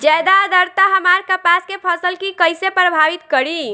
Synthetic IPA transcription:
d͡ʒɛd̪ad̪əɾt̪aɦəmaɾkəpaskepʰəsəlkikəjsepɾəbʱaʋit̪kəɾi

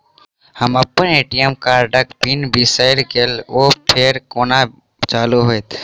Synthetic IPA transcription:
həməpəneːʈijəmkaːɾɖəkpinbisaɪɾkeloːʈʰeːɾkoːna | t͡ʃaːluɦoet̪ʰ

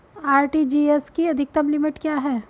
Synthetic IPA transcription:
aːɾʈid͡ʒiːeskiɐd̪ʱɪk̚t̪ɐmlɪmɪʈkjaːɦɛː

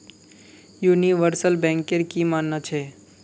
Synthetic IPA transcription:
juːniʋəɾsəlbɛ̃ːŋkeɾkimaːnːat͡ʃʰe

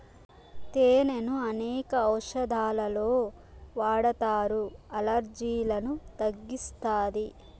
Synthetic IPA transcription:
t̪eːnenuɐnɛːkɐɐwʂɐd̪ʱaːlɐlo̞ː | ʋaːɽɐt̪aːɾuɐlɐɾd͡ʒiːlɐnut̪ɐɡːist̪aːd̪i

